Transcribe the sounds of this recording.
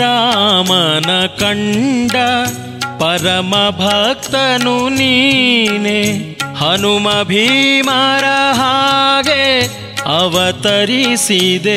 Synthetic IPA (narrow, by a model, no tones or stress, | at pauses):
aːmɐnɐkɐɳɖɐ | pɐɾɐmɐbʱɐk̚t̪ɐnuniːnehɐnumɐbʱimaːɾɐɦaːɡe | ɐʋɐt̪ɐɾisid̪e